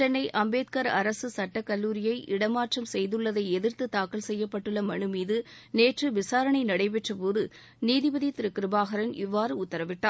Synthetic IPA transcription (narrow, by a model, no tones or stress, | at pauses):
ɛnːɐɪʔɐmbeːt̪̚kɐɾɐɾɐsɯsɐʈːɐkːɐlːuːɾɪjɐɪʔɪɽɐmaːʈrɐmsɛjðɯɭːɐðɐɪɛðɪɾt̪ɯt̪aːkːɐlsɛjːɐpːɐʈːɯɭːɐmɐɳɯmiːðɯneːʈrɯʋɪsaːɾɐɳɐɪnɐɽɐɪpɛʈrɐpoːðɯ | niːðɪbɐðit̪ɪɾɯkːɪɾɯbaːɣɐɾɐnɪʋːaːɾɯʊt̪ːɐɾɐʋɪʈːaː